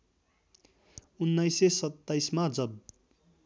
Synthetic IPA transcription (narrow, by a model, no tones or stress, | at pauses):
unːʌjsesʌt̪ːajsmad͡zʌb